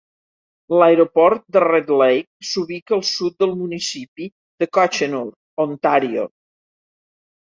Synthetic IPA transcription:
lajɾopɔɾt̪̚d̪əred̪lɛjk̚suβikəːlˠsut̪̚d̪əlˠmunisipi | ðəkɔt͡ʃənɔɾt̪̚ont̪aɾio̰

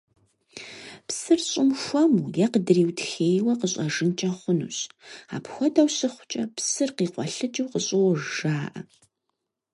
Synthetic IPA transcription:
psɨrɕʼɪmxʷɔmuːjɛqədɨriːwtxeːjwɐqəɕʼɐʒɨnt͡ʃʼɐχʷʊnṵːɕa̰ːpxʷɔdɐwɕɨχʷʊt͡ʃʼɐpʰsɨrqiːqʷɔ̰ɬɨd͡ʒʼɨwqəɕʼɪwɔʒʒaːʔɐ̰

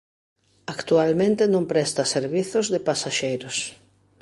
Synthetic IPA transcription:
akt̪ualmẽnt̪ɪenõmpɾɛst̪aseɾβiθozðɪpasaʃejɾʊs

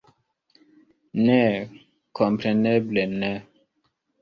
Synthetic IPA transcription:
ne | kʰɔmpɾeneblenɛ

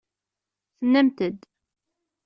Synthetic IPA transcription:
θənːæmt̪əd̪

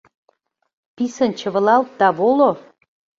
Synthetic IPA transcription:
pisə̆nt͡ɕə̆βə̆lɑlt̪̚d̪ɑβolo

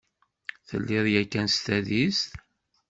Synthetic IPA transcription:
θə̰lːɪðjækːænst̪æðist̪

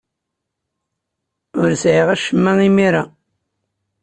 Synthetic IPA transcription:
ʊɾsʕiʁæʃəmːæŋimiɾa

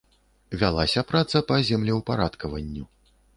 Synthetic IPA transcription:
vʲalˠasʲɐpɾat̪sɐpɐzʲɛmlʲɛwpaɾat̪kɐvɐnʲːu

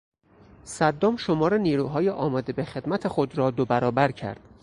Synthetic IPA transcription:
sæd̪ːɒːmʃo̞mɒːɾeniːɾuːɦɒːjeʔɒːmɒːd̪e̞be̞xe̞d̪mæt̪ʰexod̪ɾɒːd̪obæɾɒːbæɾcʰæ̰ɾd̪̥

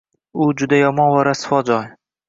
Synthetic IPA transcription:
ʊd͡ʒʊd̪ajɒmɒnvaɾasɪ̥fɒd͡ʒɒj

